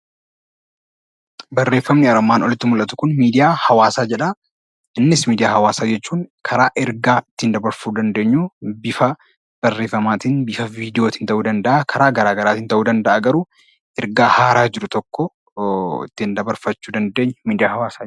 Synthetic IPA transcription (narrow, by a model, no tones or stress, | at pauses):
bɐrːe̞ːfːɐmnɪɐɾɐmːaːnɔlɪt̪ːɪmʊlʔɐt̪ʊ̥kʊnmiːd̪ɪjaːhɐwaːsaːd͡ʒɛᶑɐ | ɪnːɪsmiːd̪ɪjaːhɐwaːsaːd͡ʒɛt͡ʃːuːŋkʰɐɾaːʔɛɾɡaːɪt̪ːɪhɪnd̪ɐbɐɾfuːd̪ɐnd̪e̞ːɲːuːbɪfɐ | b̥ɐrːe̞ːfːɐmaːt̪inbɪfɐviːd̪ɪjo̞ːt̪ɪːnt̪ɐʔuːd̪ɐnd̪ɐʔakʰɐɾaːɡɐɾaːɡɐɾaːt̪ɪːnt̪ɐʔuːd̪ɐnd̪ɐʔaɡɐɾuː | ʔɛɾɡaːhaːɾaːd͡ʒɪɾʊt̪ɔkːɔ | ɪ̰t̪ːɪɪnd̪ɐbɐɾfɐt͡ʃːuːd̪ɐnd̪e̞ːɲːmiːd̪ɪjaːhɐwaːsaː